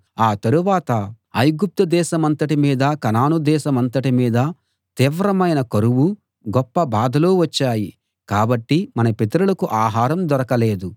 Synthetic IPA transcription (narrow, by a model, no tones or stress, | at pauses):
aːt̪ɐɾuʋaːt̪ɐ | ɐjɡup̚t̪ɐd̪ɛːʃɐmɐnt̪ɐʈimiːd̪ɐkɐnaːnud̪ɛːʃɐmɐnt̪ɐʈimiːd̪ɐ | t̪iːʋɾɐmɐjnɐkɐɾuʋu | ɡɔpːɐbaːd̪ʱɐloːʋɐt͡ʃːaːji | kaːbɐʈːimɐnɐpit̪ɐɾulɐkuʔaːɦaːɾɐmd̪ɔɾɐkɐle̞ːd̪u